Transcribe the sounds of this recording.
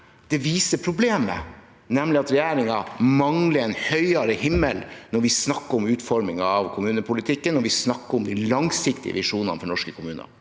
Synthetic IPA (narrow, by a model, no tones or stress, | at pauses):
d̪̥ɛʋiːsəpʰɾʊbleːmə̰ | nɛmlɪɑt̪ɾɛjæːɾɪŋɑmɑŋləɾɛnhœʏɑɾəhɪmːəlnɔɾʋɪsnɑkːəɾʊmʉːt̪fɔɾmɪŋɑɑʋkʰʊmʉːnəpʰʊlɪt̪ʰɪkːənːɔɾʋɪsnɑkːəɾɔmd̪ɪlɑŋsɪkt̪ɪ̰ə̰ʋɪʂuːnɑ̰nfɔɳɔʂkəkʰʊmʉːnə̰